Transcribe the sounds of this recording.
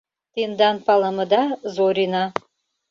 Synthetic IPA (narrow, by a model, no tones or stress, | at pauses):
t̪end̪ɑnpɑlˠəmɤ̆d̪ɑzoɾʲinɑ